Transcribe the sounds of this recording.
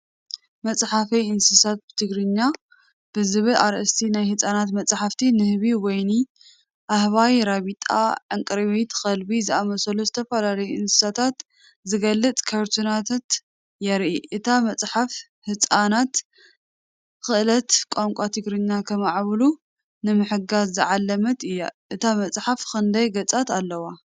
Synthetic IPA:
mɐt͡sʼħafɐjɨnsɨsat̪̚bɨt̪ʰɨɡɾɨɲːa | b̥ɨzɨβɨlʔaɾʔɨst̪ʰinajhɨt͡sʼanat̪mɐt͡sʼħaft̪ʰinɨhβiwɔjni | ʔahβajɾaβit̪ʼa̰ʕɨŋkʼɨɾβejt̪xɐlbizɨamɐsɐluzɨt̪ʰɐfɐlalɐjuʔɨnsɨ̥sat̪ʰat̪ | zɨɡɐlːɨt͡sʼkʰɐɾt̪ʰunat̪ʰat̪ | jɛɾʔiʔɨt̪ʰamɐt͡sʼħaf | hɨt͡sʼanat̪ | xɨʔlɐt̪kʷʼaŋkʷʼat̪ʰɨɡɾɨɲːakʰɐmaʕβlu | nɨmɨħɨɡazːɨʕalːɐmɐt̪ɨjːa̰ʔɨt̪ʰamɐt͡sʼħafxɨnd̪ɐjɡɐt͡sʼat̪alːɐwa

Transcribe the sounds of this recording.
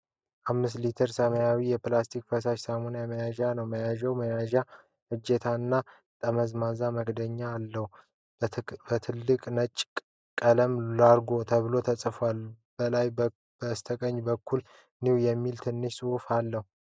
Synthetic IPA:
ʔamːɨs̬t̪lit̪ʰəɾsəməjawijɛplast̪ʰik̚fəsaʃsamonjaməjaʒanəwməjaʒɛwməjaʒa | hɨd͡ʒːet̪ʰaɨnːa | t̪ʼəməzmazaməkʼd̪əɲːaːlːəhu | bət̪ʰɨlːɨkʼnət͡ʃʼ | kʼələmlaɾɡo̞t̪ʰəβɨlo̞t̪ʰəsʼfal | b̥əlaj | b̥əst̪ʰəkʼəɲːbəkʰːul | niwjɛmːilt̪ʰɨnːɨʃsʼɨhufalːəhu

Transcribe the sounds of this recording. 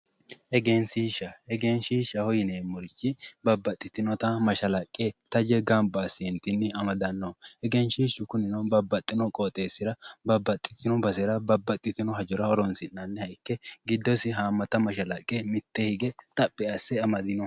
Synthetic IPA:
ʔɛɡeːnsiʃːɐɛɡeːnʃiːʃːɐhɔjɪneːmʊɾd͡ʒɪbɐbːɐt̪ʼːɪt̪ːɪnɔt̪ɐmɐʃɐlɐkʼːet̪ɐd͡ʒɛɡɐmbasɪɛnt̪ɪnːɪɐmɐd̪ɐnːɔhɛɡɛnʃiːʃʊkʊnɪnɔbɐbːɐt̪ʼːɪnɔkʼoːt̪ʼe̞ːsːɪɾɐbɐbːɐt̪ʼːɪ̥t̪ːɪnɔbɐsɛɾɐbɐbːɐt̪ʼːɪt̪ɪnɔɦɐd͡ʒɔɾɐɔɾɔnsɪnːɐnːɛhɐjkːɛɡɪd̪ːɔsɪɦaːmːɐt̪ɐmɐʃɐlɐkʼːemɪt̪ːehɪɡɛt̪ʼɐpʼːɛɐsːɛɐmɐd̪ɪnɔ

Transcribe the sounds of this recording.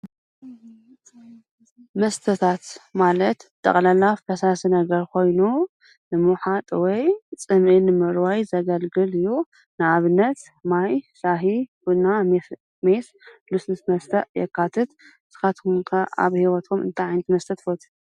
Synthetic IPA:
mɐst̪ʰɐt̪ʰat̪malɐt̪t̪ʰʼɐ̰χʼlɐlafkɐsasinɐɡɐɾkʰo̞jnu | nɨmuħat̪ʼwɔjt͡sʼɨmʔɨnɨmɨɾwajzɐɡɐlɡɨlɨjːu | nɨaβɨnːɐt̪ | majsaɦibunam | me̞s | lusnɨsmɐst̪ʰɐʔjɛ̰kːat̪ʰɨt̪ | z̥ɨ̥xat̪ŋkʰaʔa̰βhiwɔt̪ʰomɨ̰nt̪ʰajʕajnɐt̪mɐst̪ʰɐt̪fot̪ʰi̥

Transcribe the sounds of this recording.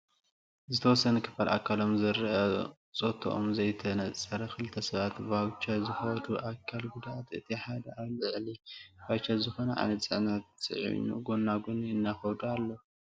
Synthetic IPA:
zɨt̪ʰɐwɔsːɐnɨkʰɨ̥fala̰kʰːalo̞mzɐɾʔɐ | t͡sʼot̪ʰo̰ʔomzɐjt̪ʰɐnɐt͡sʼːɐɾɐkʰɨlɨt̪ʰɐsɐβat̪bawt͡ʃɐzɨxɐd̪uʔakʰːalɡud̪ʔat̪ɨt̪ʰiħad̪ɐazɨʕlibawt͡ʃːazɨxo̞nɐʕa̰nɐt̪sʼɨʕnɐt̪sʼɨ̰ʕḭnṵɡonːaɡunɨnːaxɐd̪ualːo

